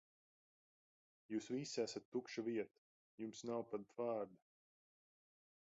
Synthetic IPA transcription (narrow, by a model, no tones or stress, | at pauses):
juːsvisæsat̪ːukʃaviɛt̪ḁ | jumsnawpad̪̚t̪vaːɾd̪a